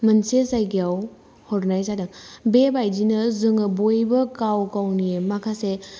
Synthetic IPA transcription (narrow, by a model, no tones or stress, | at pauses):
mɐnsesajɡijaw | hɔɾnajsadɯŋbebajd͡ʒinɐzɯŋɯbojbɐkawkawniemakʰase